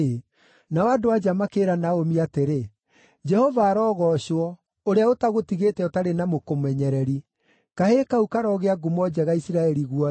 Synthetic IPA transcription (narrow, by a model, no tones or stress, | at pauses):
nawadowad͡ʒamakeɾanaomiateɾe | d͡ʒɛhovaːɾɔːɣɔɕɔ | oɾeaotaɣotiɣetɛɔtaɾenamokomwɛɲɛɾɛɾi | kahekaukaɾɔɣeaɡumɔd͡ʒɛɣaisiɾaɛɾiɣwɔ